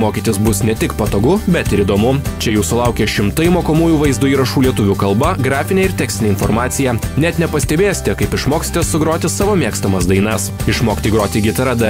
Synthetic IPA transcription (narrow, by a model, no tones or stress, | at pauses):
moːkʲit̪ʲɪsbʊsnʲɛt̪ʲɪkpɐt̪oːɡʊbʲɛt̪ɪɾiːd̪oːmʊt͡ʃʲɛjuːsʊlˠɐʊkʲeʃʲɪmt̪ɐɪmoːkoːmuːjuːʋɐɪzd̪ʊiːɾɐʃuːlʲiɛt̪ʊʋʲukɐlˠbɐɡɾɑːfʲɪnʲeːɪɾt̪ʲæːksʲt̪ʲɪnʲeːɪnfoːɾmɑːt̪sʲɪjɛnʲɛt̪nʲɛpɐsʲt̪ʲɛbʲeːjsʲɪ̥t̪ʲɛkɐɪpɪʃmoːksʲɪ̥t̪ʲessʊɡɾoːt̪ʲɪsɑːʋoːmʲiɛkst̪ɐmɐsd̪ɐɪnɐsɪʃmoːkʲt̪ʲiɡɾoːt̪ʲiːɡʲɪt̪ɐɾɐd̪ɐ